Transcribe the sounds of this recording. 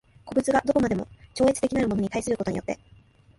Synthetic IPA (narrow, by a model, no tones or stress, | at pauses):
ko̞bɯ̟t͡sɨɡad̪okomad̪e̞mo̞̰t͡ɕo̞ːet͡sɨ̥t̪e̞kʲinaɾɯ̟mo̞no̞ɲ̟it̪aisɨɾɯ̟kot̪o̞ɲ̟ijo̞t̪ːe̞